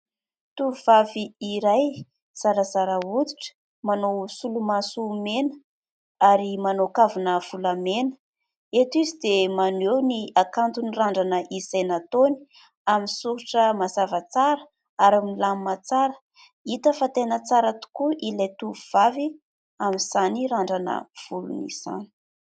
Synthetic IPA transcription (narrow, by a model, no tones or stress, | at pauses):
t̪uvvaviːɾaj | z̥aɾazaɾaud̪i̥ʈ͡ʂə̥ | manowsulumasumenə̥ | aɾimanokavunəv̥ulamenə̥ | et̪izid̪emanewniakant̪uniraɳɖ͡ʐanəʔizajnat̪oni̥ | aminsuɾuʈ͡ʂəmazavat͡saɾə | aɾamilammat͡saɾə̥ | it̪əfat̪enət͡saɾat̪u̥kuʔilejt̪uuv̥avi | amiz̥aniraɳɖ͡ʐanə̰v̥ulṵnḭz̥a̰ni̥